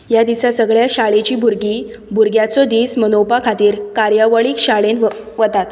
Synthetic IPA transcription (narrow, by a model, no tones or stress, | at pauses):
jad̪isasəɡɭjaɕaɭet͡ɕiːbʱuɾɡiː | bʱuɾɡjat͡sɔd̪iːsmənowpakʰat̪iːɾkaɾjaʋəɭiːkɕaɭenʋət̪at̪